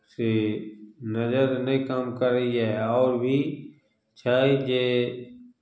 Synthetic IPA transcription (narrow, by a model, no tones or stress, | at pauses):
se | nəzəɾnəĩkamkəɾəiɦɛːɔːɾbʱiː | t͡ʃʰaːid͡ʒeː